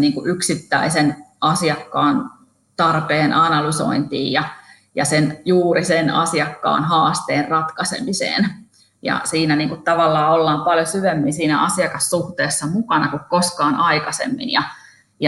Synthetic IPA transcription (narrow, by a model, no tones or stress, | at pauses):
niːŋkuʔyksit̪ːæisenɑsiɑkːɑːn | t̪ɑrpeːnʔɑnɑlyso̰int̪ḭːjjɑ | jɑ̰senjuːɾisenɑ̰siɑkːɑ̰ːnhɑːst̪eːrrɑt̪kɑsḛmisḛːn | jɑ̰siːnæniːŋkut̪t̪ɑʋɑlːɑːolːɑːmpɑljosyʋemːinsiːnæ̰ʔɑsiɑkɑssuht̪eːsːɑmukɑnɑkukkoskɑːnɑikɑsḛmːḭnjɑ | jɑ